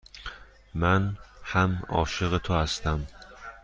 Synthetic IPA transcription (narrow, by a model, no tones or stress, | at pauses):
manhamɒ̰ʃɨʁɨt̪ʰʊast̪am